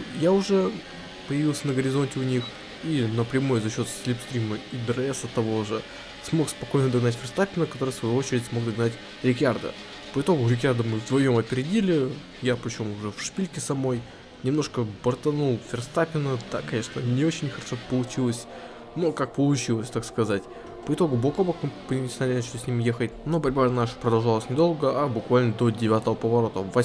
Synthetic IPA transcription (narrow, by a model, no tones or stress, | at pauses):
jaʊʐɛ | pəjɪvʲilˠsʲənəɡəɾʲɪzo̞nʲtʲɪʊnʲix | inəpɾʲɪmojzɐɕːo̞t̪sʲlʲipst̪ɾʲiməid̪ɾɐɛsɐt̪ːɐvoʐɨ | smo̞kspɐko̞jnəd̪ɐɡnatʲfʲɪrst̪apʲɪnəkɐt̪o̞ɾɨjfsvɐjuo̞t͡ɕɪɾʲɪtʲsmo̞ɡ̚d̪ɐɡnatʲ | ɾʲɪkʲard̪ə̰ | pəɪt̪o̞ɡʊɾʲɪk̬ʲard̪əmɨvd̪vɐjo̞mɐpʲɪɾʲɪdʲilʲɪ | japɾʲɪt͡ɕo̞mʊʐɛfʂpʲilʲkʲɪsɐmno̞j | nʲɪmn̪o̞ʂkəbərt̪ɐnulˠfʲɪrst̪apʲɪnəd̪̥a̰kɐnʲe̞ʂnənʲɪo̞t͡ɕɪnʲxəɾɐʂo̞pəlˠʊt͡ɕilˠəsʲ | nokak̚pəlˠʊt͡ɕilˠəsʲt̪akskɐzatʲ | pəɪt̪o̞ɡʊblɐkobəxmɨpənʲɪsʲnalʲɪnat͡ɕɪlʲɪsʲnʲimʲje̞xətʲnobɐɾʲbaɐnaʂpɾəd̪ɐlˠʐalˠəsʲnʲɪd̪o̞lˠɡəʔabʊkvalʲnəd̪o̞dʲɪvʲat̪əvəpəvɐɾo̞t̪əvɐ